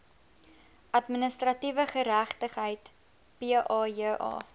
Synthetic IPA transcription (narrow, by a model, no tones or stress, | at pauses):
ʔɐtmənəstrɐtivəχəɾæχtəχɦəjt | piʔɑːjəʔɑ̰ː